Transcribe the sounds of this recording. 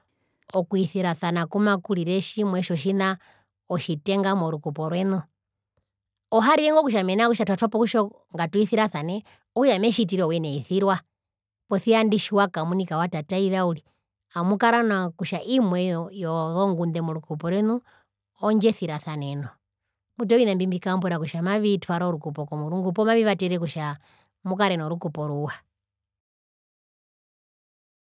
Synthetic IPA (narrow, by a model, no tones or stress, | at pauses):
ɔkuiθiɾaθanakumakuliɾɛʃimwɛʃɔʃ̬ina | ɔʃitɛŋɡamɔɾukupɔɾwɛnu | ɔɦaɾiɾɛŋɡɔkuʃ̬amɛnakuʃatʰwatʰɔpɔkuʃɔ | ŋɡatuiθiɾaθanɛ | ɔkuʃamɛʃit̬iɾɛɔwɛnɛiθiɾwa | pɔθiandiʃiwakamunikawatataiðauli | amukaɾanakuʃaʔimwɛjɔjɔðɔŋɡund̪ɛmuɾukupɔɾɛnu | ɔɲd͡ʒɛθiɾaθanɛnɔ | mut̬ɔinambimbikambɔɾakuʃamaβitufaɾauɾukupɔkɔmuɾuŋɡupɔmaβiʋatɛɾɛkuʃa | mukaɾɛnɔɾukupɔɾuwa